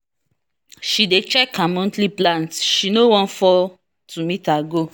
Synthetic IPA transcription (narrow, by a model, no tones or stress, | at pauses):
ʃidet͡ʃɛkamɔ̃ntliplãntʃinowɔ̃nfɔ | tumitaɡo